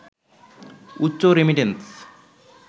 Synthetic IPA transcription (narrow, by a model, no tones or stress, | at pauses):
utːɕoɾemiʈens